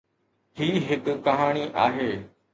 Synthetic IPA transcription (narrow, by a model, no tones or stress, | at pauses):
ɦiːɦɪkpɐɦaːɽ̃iʔaːɦeː